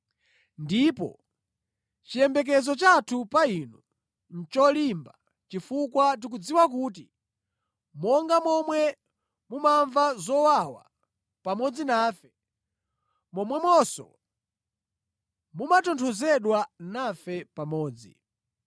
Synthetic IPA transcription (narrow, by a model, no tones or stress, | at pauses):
ndipɔ̰ | t͡ʃijɛmbɛk̬ɛzɔt͡ʃatʰupainɔ | n̩t͡ʃɔlimba | t͡ʃifukwat̬ik̬ud͡ziwak̬uːt̬i | mɔŋɡamɔmwɛ | mumaɱvazɔwawa̰ | pamɔd͡zinaːfɛ | mɔmwɛmɔsɔ̰ | mumatɔntʰɔzɛɗwanafɛpamɔːd͡zḭ